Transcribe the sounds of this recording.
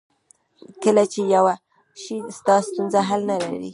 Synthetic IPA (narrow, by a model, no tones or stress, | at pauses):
kəlat͡ʃejawa | ʃist̪ɑst̪unzaɦalnala̰ɾḭ